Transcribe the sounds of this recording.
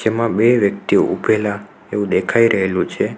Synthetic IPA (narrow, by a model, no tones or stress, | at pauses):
d͡ʒemãbeʋjək̚t̪io̰ʔubʱela | eʋũd̪ekʰaiɾʔəɦelũt͡ʃʰe